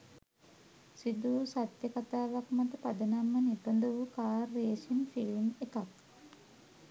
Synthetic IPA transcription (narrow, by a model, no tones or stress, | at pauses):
sid̪uːsat̪jəkat̪aːʋakmat̪əpad̪ənamːənipənd̪əʋukaːrːeːsinfilmekak̚